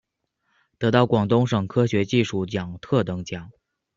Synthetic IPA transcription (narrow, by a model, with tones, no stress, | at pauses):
t̪ɤ˧˥t̪ɑ˥˩ʊkwɑ˨˩ŋt̪ʊ˥ŋʂɤ˨˩ŋkʰɤ˥ɕɥɛ˧˥t͡ɕi˥˧ʂu˥˩t͡ɕjɑ˨˩ŋt̪ʰɤ˥˩t̪ɤ˧˥ŋt͡ɕjɑ˨˩˦ŋ